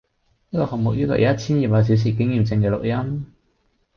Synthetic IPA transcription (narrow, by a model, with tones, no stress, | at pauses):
niː˥kɔː˧hɐ˨ŋ̚mʊ˨k̚jyː˥kɔ̰˨˩jʔɐ˨˥˦ɐ˥t̚t͡sʰiː˥njiː˨˩p̚waː˨˧s̬iː˨˥ws̬iː˨˩kɪ˨˥ŋjiː˨˩mt͡sɪ˧ŋkɛː˧lʊ˨k̚jɐ˦˥m